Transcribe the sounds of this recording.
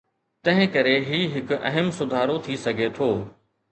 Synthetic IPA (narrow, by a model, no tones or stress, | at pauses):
t̪ɐ̃ɦɪ̃kɐɾeɦiːɦɪkʊʔɐ̰ɦəmsʊd̪ʱaːɾot̪ʰisɐɡʱet̪ʰoː